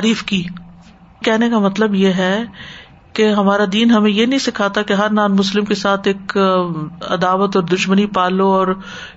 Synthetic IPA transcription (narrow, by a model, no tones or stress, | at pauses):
aːɾiːfkiː | kɛɦnekamɐt̪ləbjeɦɛ | keɦɐmaːɾad̪iːnɦɐmẽjenɐɦĩsɪkʰat̪akeɦɐɾnaːnmʊslɪmkesaːt̪ʰeːk | ɐ̰d̪aːʋət̪ɔːɾd̪ʊʃmənipaːloɔːɾ